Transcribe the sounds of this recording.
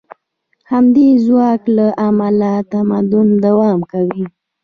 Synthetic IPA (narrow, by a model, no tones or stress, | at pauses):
hamd̪ezwɑklaʔamalat̪amad̪ʊnd̪awɑmkawi